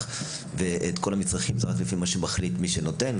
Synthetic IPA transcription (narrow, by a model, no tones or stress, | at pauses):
veʔetko̞lamit͡sʁaχimt͡saʁaklefimaʃemaχlitmiʃeno̞ten